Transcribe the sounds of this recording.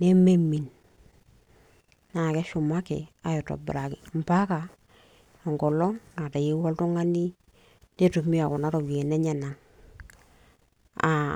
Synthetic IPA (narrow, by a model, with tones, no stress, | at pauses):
ne˦me˦mi˨n | na˨kɛ˦ʃʊ˨ma˦kɛ̰˨a˨jɔ˨tɔ̰˨b̰ɾa˨kɪ˨m̩˨pa˦ka˨ | a˨ŋɡɔ˨lɔ˦ŋŋa˨ta˨ji˦wɔ˦ltu˦ŋa˦ni˦ | ne˦tu˨mi˦a˨kɔ˨na˦ɾɔ˨bi˨e˨nɛ˦ɲɛ˨na˨ŋ | a̰˨